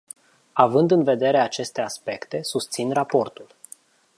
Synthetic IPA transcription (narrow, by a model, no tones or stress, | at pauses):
avɨnd̪ɨnve̞d̪e̞ɾe̞at͡ʃe̞st̪e̞aspe̞kt̪e̞sust̪sinrapo̞rt̪ul